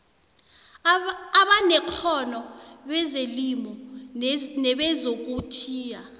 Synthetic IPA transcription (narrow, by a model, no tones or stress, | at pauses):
aɓanɛkʰɔnɔɓɛzelimɔ | nɛɓɛzok̬utʰiːja